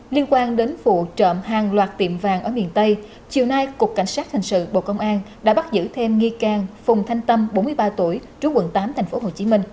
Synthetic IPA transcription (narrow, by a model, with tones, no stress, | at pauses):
li˧ənkwaː˧nɗe˨˦nfṵ˧˨˩t͡ɕə̰˧˨mhaː˨˩ŋlwaː˨˩t̚t̪ḭ˧˩˨əmvaː˨˩ŋʔəː˧˩mḭ˨ənt̪ə˧j | t͡ɕi˨˩əwna˧jku˨˩əkːa̰˧˩jŋ̟saː˦˥t̚t̪ʰa˨˩ŋ̟sɨ̰˧˨ɓo̰˧˨kə˧wŋ͡mʔaː˧n | ɗa̰ː˧˥ɓa˦˥t̚zɨ̰˧˥t̪ʰe˧mŋi˧kaː˨˩ŋfʊ˨˩ŋ͡mt̪ʰa˧jŋ̟t̪ə˧mɓo˨˦nmɨ˧jɓaː˧t̪u˧˩əjt͡ɕu˨˦kwə̰˧˨nt̪aː˨˦mt̪ʰɛ˨˩jŋ̟fo˨˦ɦo˨˩t͡ɕi˨˦mï˧ŋ̟